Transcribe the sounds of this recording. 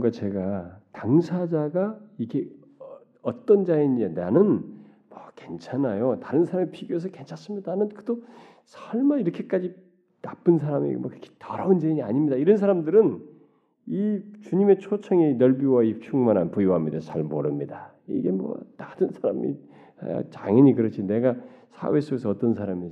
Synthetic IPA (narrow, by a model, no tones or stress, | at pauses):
ŋɡat͡ɕeɡataŋsʰad͡ʑaɡaiɡe̞ | ʌt͈ʌnd͡ʑaiɲiedanɯn | mwʌke̞nt͡ɕʰanajotaɾɯnsʰaɾamipiɡjoes̬ʰʌke̞nt͡ɕʰas͈ɯmɲidanɯnkɯ̥do | sʰʌɭmaiɾʌkʰek͈ad͡ʑi | nap͈ɯnsʰaɾamḭmwʌ̰kɾkʰi̥tʌɾaund͡ʑeiɲia̰ɲimɲidaiɾʌns̬ʰaɾamdɯɾɯn | it͡ɕuɲime̞t͡ɕʰot͡ɕʰʌŋinʌɭbiwaip̚t͡ɕʰuŋmaɾanpujiwɦamɲidasʰaɭmoɾɯmɲida | ḭɡe̞mwʌ̰nadɯnsʰaɾa̰mḭ | t͡ɕaŋʌɲikɯɾʌt͡ɕʰine̞ɡasʰa̰we̞s͈oɡesʰʌʌt͈ʌnsʰaɾami